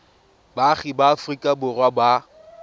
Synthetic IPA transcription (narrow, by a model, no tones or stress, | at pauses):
baχibaːfrikʼabʊrwaba